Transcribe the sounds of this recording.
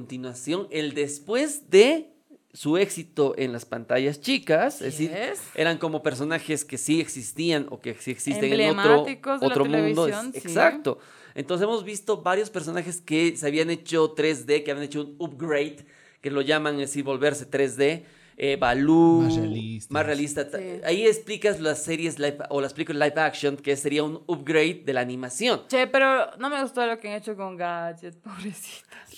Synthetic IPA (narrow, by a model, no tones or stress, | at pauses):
ont̪inwasjoŋe̞ld̪e̞spwe̞zðe̞ | sue̞ksit̪o̞ʔe̞̰nlaspant̪aʝast͡ʃikassiɾsʔe̞̰ɾaŋko̞mo̞pe̞ɾs̬o̞naxe̞ske̞sieksist̪iano̞̰keksieksiseŋenomɾoikooɾomũnd̪oneksak̚t̪o̞ | ḛnt̪onsesemo̞zβist̪o̞βaɾjospe̞ɾs̬o̞naxe̞ske̞seaβiane̞t͡ʃo̞t̪ɾe̞zðe̞keaβijanet͡ʃounup̚ɡɾejt̪ | kelo̞ʝamaŋesiɾβo̞lβe̞ɾse̞t̪ɾe̞zðe̞ | ebaluelismasrealist̪aaaiesplikazlasːe̞ɾje̞zlajfolaesplikolajfaksjoŋkesseɾiaunupɡɾejt̪̚d̪e̞laːnĩmasjo̞nt͡ʃepeɾonomeɣust̪olokeaŋet͡ʃokoŋɡad͡ʒet̪̚poβɾesi̥t̪ḁs